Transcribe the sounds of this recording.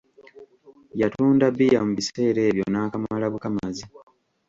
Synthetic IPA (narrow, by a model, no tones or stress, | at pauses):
jatuːndabijamuβise̞ːɾe̞ːβjo̞naːkamalaβukamazi